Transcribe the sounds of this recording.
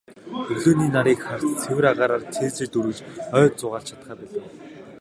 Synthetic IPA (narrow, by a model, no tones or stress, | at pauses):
ɵɮoːniːnaɾiːkχar̥t͡st͡sʰewɘ̆ɾaʁaːɾaːrt͡sʰeːt͡sɘ̆t͡ɕt̪uɾɘ̆t͡ɕœːt̪t͡sʊʁaːɮt͡ɕʰḁt̪̚χæːpæːɮə̆w